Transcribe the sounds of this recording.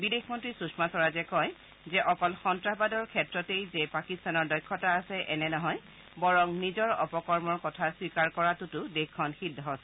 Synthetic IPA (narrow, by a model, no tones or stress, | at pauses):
bidexmɔntɹisusmasɔɹazɛkɔj | zɛʔɔkɔlxɔntɹabadɔɹkʰɛtɹɔtejzepakistanɔɹdɔjkʰːɔtaːsɛʔɛnɛnɔɦɔj | bɔɹɔŋnizɔɹɔpɔkɔɹmɔɹkɔtʰaswikaɹkɔɹatʊtʊdexʰɔnxidʱːɔɦɔsɛ